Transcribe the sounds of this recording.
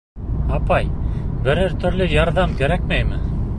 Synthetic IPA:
ɑpɑjbɘ̆ɾɘɾt̪ʰɵ̆ɾlɘjɑɾðɑmkæɾæk̚mæjmɘ

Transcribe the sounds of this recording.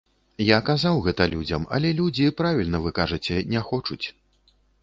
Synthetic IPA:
jakazawɣɛt̪ɐlʲud͡zʲɐmɐ̰lʲɛlʲud͡zʲipɾavʲilʲnɐvɨkaʐɐt͡sʲɛnʲɛxɔt͡ʂut͡sʲ

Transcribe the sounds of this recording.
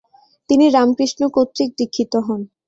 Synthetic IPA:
t̪iniɾamkɾiʃnokot̪ːɾik̚d̪ikʰːit̪oɦɔn

